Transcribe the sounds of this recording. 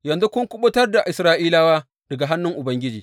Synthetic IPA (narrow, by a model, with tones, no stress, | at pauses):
jɐ˨nzu˦kʊ˦ŋkʷʊ˦ɓʊ˦tɐ˦rda˨ʔɪ˨sɾaː˦ʔiː˦laː˦waː˦ | d̥ɐ˨ɡa˨ɦa˦nːʊ˦ŋʔʊ˨bɐ˦ŋɡʲɪ˦d͡ʒiː˨